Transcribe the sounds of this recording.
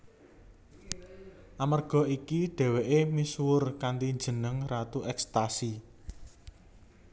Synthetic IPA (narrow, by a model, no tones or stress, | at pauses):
ʔamarɡ̥ɔ̤ikiɖ̥ɛ̤weʔemiswʊrkant̪iɲd͡ʒə̤nəŋrat̪uʔɛkst̪asi